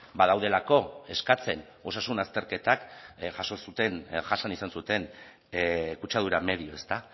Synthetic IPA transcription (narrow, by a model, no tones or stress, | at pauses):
bað̞awð̞e̞lako̞e̞skat͡se̞n | o̞sasunast̪e̞ɾke̞t̪akʝaso̞sut̪e̞nʝasanisansut̪e̞n | kut͡ʃað̞uɾame̞ðio̞e̞st̪a